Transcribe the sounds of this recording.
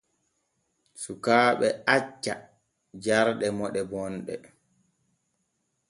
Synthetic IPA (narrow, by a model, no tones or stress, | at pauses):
sukaːɓɛat͡ʃːa | d͡ʒaɾɗɛmɔɗɛbɔnɗɛ̰